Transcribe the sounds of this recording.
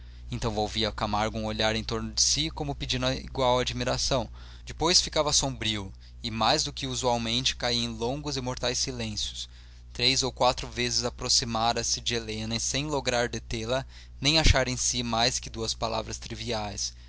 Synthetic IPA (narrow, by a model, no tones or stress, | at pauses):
ẽnt̪ɐ̃w̃vowviɐkamaɾɡʊũoʎaɾẽj̃t̪oɾnʊd͡ʒɪsikõmʊpɪd͡ʒĩnʊɐḭɡwawad͡ʒimiɾasɐ̃w̃ | d͡ʒɪpojsfikavɐsõbɾiʊ | ɪmajzd̪ʊkɪuzuawmẽnt͡ʃɪ̥kaiẽj̃lõŋɡʊzɪmoɾt̪ajsilẽsjʊ̥s | t̪ɾejzowkwat̪ɾʊvezɪzapɾosimaɾɐsɪd͡ʒɪelẽnɐsẽj̃loɡɾaɾd̪et̪elɐ | nẽj̃aʃaɾẽj̃simajskɪd̪uɐspala̰vɾɐst̪ɾiviajs